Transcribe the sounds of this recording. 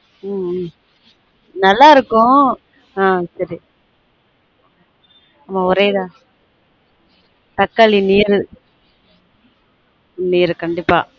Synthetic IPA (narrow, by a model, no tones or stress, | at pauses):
nɐlːaːɪɾɯkːʊ̃ | aːsɐɾi | ɐmːaːʊɾeːðãː | t̪ɐkːaɭiniːɾɯ | niːɾɯkɐɳɖɪpːa̰ː